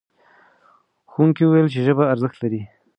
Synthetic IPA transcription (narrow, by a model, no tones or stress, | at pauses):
xuŋkiwuwajlt͡ʃeʒəbaːɾzəxt̪laɾi